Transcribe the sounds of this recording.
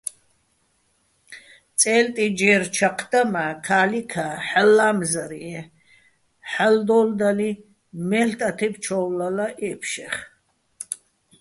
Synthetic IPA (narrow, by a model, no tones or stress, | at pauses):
t͡sʼɛlt̪ʼid͡ʒɛːɾt͡ʃʰaqʰd̪amaːkʰaːlikʰaħalːamzaɾiɛ | ħald̪ɔːld̪ali | mɛɬt̪ʼat̪ʰɛpt͡ʃʰɔwlalaʔɛpʰʃɛχ